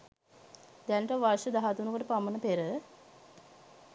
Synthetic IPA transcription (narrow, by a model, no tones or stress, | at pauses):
d̪ænʈəʋaɾʃəd̪aɦat̪unukoʈəpamənəpeɾə